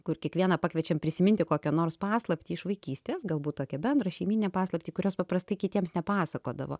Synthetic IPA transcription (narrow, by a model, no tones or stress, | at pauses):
kʊrkʲiɛkʋʲiɛnɐpɑːkʋʲiɛt͡ʃʲɛmpʲɾʲɪsʲɪmʲɪnʲt̪ʲɪkoːkʲoːnoːrspɑːslˠɐpʲt̪ʲiːɪʃʋɐɪkʲiːsʲt̪ʲeːsɡɐlˠbuːt̚oːkʲɛbʲɛnd̪ɾɐʃʲɛɪmʲiːnʲɪnʲɛpɑːslˠɐpʲt̪ʲiːkʊɾʲoːspɐpɾɐst̪ɐɪkʲɪt̪ʲiɛmsnʲɛpɑːsɐkoːd̪ɐ̰ʋo̰ː